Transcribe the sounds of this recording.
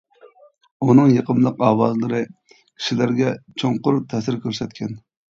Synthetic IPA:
unɨŋjəqəmlˠəqɑːwɑzlˠɨɾɨ | kʲʰi̥ʃilæɾɡʲɛt͡ʃʰoŋqʊɾt̪ʰɛsɪɾkʲʰøɾsɛt̪kʲɛn

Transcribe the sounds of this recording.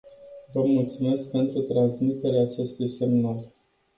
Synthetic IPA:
vəmult̪sume̞sk̚pe̞nt̪ɾut̪ɾansmit̪e̞ɾeaːt͡ʃe̞st̪ujse̞mnal

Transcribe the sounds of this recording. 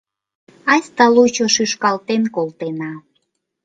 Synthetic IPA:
ɑsʲt̪ɑlut͡ɕoʃyʃkɑlt̪enkolt̪enɑ

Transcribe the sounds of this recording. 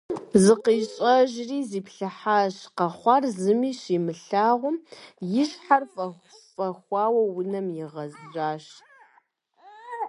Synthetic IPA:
zɨqiːɕʼɐʒriːziːpɬɐħaːɕqɐχʷɑrzɨmiːɕiːmɨɬaːʁʷʊmjɪʃħarfʼɐ | fʼɐxʷɑːwɐwʊnɐmjɪʁɐzʑʷaːɕ

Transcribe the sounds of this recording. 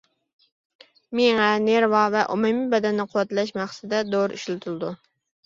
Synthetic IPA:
meŋɛneɾvɑvɛʔumumibɛd̪ɛnːɪqʰʊwɛt̪lɛʃmæχsɪd̪ɛd̪oɾḭʃlɪt̪ʰulˠɨd̪u

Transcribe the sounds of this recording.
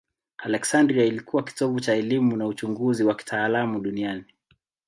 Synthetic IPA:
alɛksandɾiailikuwaki̥tɔvut͡ʃaɛlimunaut͡ʃuŋɡuziwaki̥tʰaːlamuɗuniani

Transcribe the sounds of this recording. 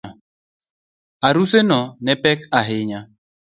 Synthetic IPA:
a | aɾusenɔnepɛkaɦɪɲa

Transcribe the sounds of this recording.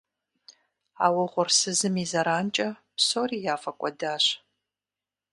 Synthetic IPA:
aːwɐʁʷʊrsɨzɨmiːzɐɾaːnt͡ʃʼɐpsoriːjaːfɐkʷʼɔdaːɕ

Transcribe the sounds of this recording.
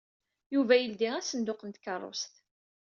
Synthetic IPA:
juvæjəld̪iæsənd̪ʊqənt̪kərˤːo̰st̪

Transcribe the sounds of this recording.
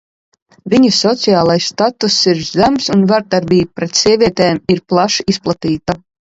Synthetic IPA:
vʲiɲisɔt̪sijaːlˠajsːt̪at̪usiɾzæmsunvaɾd̪aɾbʲiːbupɾɛt̪siɛvʲiɛt̪ɛːmiɾplˠaʃisplˠat̪iːt̪a

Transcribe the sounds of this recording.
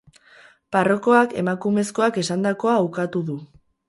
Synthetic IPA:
paro̞ko̞ake̞̰makume̞sko̞ake̞sand̪ako̞aːwkat̪uðu

